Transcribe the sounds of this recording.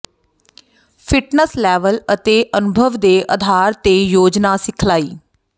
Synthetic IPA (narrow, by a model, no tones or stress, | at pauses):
pʰɪʈnəslɛːʋələt̪eːʔənʊbʱəʋd̪eːʔəd̪ʱaːɾt̪eːjoːd͡ʒnaːsɪkʰlaːḭː